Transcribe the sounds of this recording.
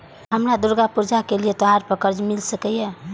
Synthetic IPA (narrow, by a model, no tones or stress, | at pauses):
ɦəmɾad̪uɾɡapuɾd͡ʒakeliet̪ɔaɾpəɾkəɾd͡ʒmilsəkəje